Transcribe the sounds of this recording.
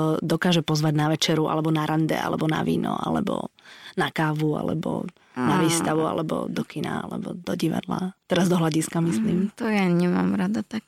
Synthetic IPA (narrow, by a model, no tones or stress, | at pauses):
d̪ɔkaːʒɛpɔzʋaɟnaʋɛt͡ʃɛɾua̰lɛbɔnaɾand̪ɛ̰a̰lɛbɔna̰ʋiːnɔa̰lɛbɔnakaːʋua̰lɛbɔ | naʋiːst̪aʋua̰lɛbɔd̪ɔkina̰alɛ̰bɔd̪ɔɟiʋa̰d̪la̰t̪ɛɾazd̪ɔɦlaɟiskamisliːmt̪ɔjaɲɛma̰ːmɾad̪at̪ak̚